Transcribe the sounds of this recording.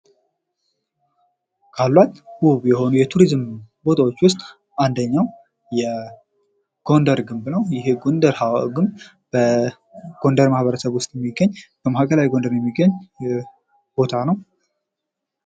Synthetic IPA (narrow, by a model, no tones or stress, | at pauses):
kʰalːwat̪huβjɛho̞nujɛt̪ʰuɾizmbo̞t̪ʰawo̞t͡ʃːwʊst̪ʼ | ʔand̪əɲːaw | jɛ | ɡ̥o̞nd̪əɾɡɨmbnəwjɪɦeɡo̞nd̪əɾhawɡɨmb | b̥ə | ɡ̥o̞nd̪əɾmahβəɾəsəβwʊst̪ʼjɛmːiɡːəɲːb̥əmahakʰəlawjiɡo̞nd̪əɾjɛmːiɡːəɲː | b̥o̞t̪ʰanəw